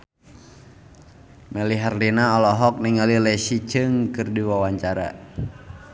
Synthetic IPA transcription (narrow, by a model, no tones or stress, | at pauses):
mɛliɦarlinaɔlɔɦɔk̚niŋalilɛsit͡ʃɨŋkɨrdiwawaɲt͡ʃaɾa̰